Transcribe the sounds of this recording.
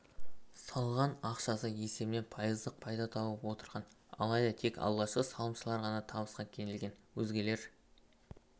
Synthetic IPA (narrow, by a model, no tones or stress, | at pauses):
sɑlˠʁɑnɑqʃɑsəe̞se̞bɪne̞npʰɑjəzd̪əq̚pʰɑjd̪ɑt̪ʰɑbəpwo̞t̪əɾʁɑn | ɑ̰lˠɑjd̪ɑt̪ʰe̞kɑ̰lˠʁɑʃqəsɑlˠəmʃəlˠɑɾʁɑnɑt̪ʰɑbəsqɑkʲʰe̞nɪlɡʲe̞nwɵzɡʲe̞le̞ɾ